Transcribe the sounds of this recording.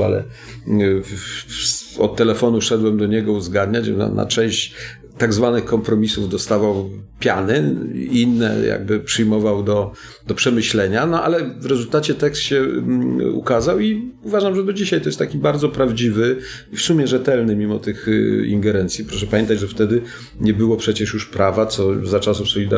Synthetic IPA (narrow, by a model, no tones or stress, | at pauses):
a̰lɛ̰ | sɔ̰t̪tːɛlɛfɔnuʂɛd̪wɛmd̪ɔɲɛɡɔuzɡad̪ɲat͡ɕna̰na̰t͡ʂɛ̃w̃ɕt͡ɕ | t̪aɡzvanɘxkɔmpɾɔmʲisuvd̪ɔst̪avawpʲjanɘ̰inːɛ̰ja̰ɡ̚bɘpʂɘjmɔvawd̪ɔ | d̪̥ɔpʂɛmɘɕlɛɲanɔʔa̰lɛvɾɛzult̪at͡ɕɛt̪ɛkst̪ɕɛ | ṵkazawiuvaʐamʐɛd̪ɔd͡ʑiɕajt̪ɔjɛst̪akʲibaɾd̪zɔpɾavd͡ʑivɘ | ifsumʲjɛʐɛt̪ɛlnɘmʲimɔt̪ɘxḭŋɡɛɾɛnt̪sʲjipɾɔʂɛpamʲɛnt̪ad͡ʑʐɛft̪ɛd̪ɘ | ɲɛbɘwɔpʂɛt͡ɕɛʂjuʂpɾavat̪sɔzat͡ʂasufsɔlʲid̪a